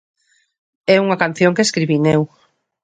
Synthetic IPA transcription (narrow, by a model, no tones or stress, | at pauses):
ɛuŋɐkanθjoŋkeskɾiβinew